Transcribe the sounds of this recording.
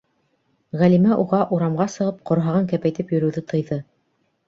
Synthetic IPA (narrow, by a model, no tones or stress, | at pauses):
ʁælimæʔuʁɑʔuɾɑmʁɑsɤ̆ʁɤp̚qŏɾɦɑʁɤŋkæpæjt̪ɘpjɵ̆ɾɵ̆wðɘt̪ʰɤ̆jðɤ